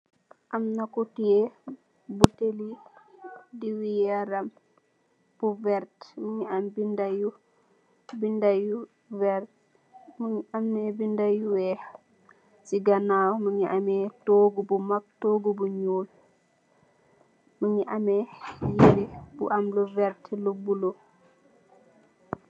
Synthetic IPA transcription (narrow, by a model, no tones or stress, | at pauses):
ʔɐmnakutie | buteli | diwijɛɾɐm | b̥uvɛɾtməɲiambindaju | bindaju | vɛɾt | mamnɛbindajuwɛ | siɡanawməɲiʔamɛtoɡubumak̚toɡubuɲuːl | məɲiʔamɛjeɾibṵʔamluvɛɾtlubulo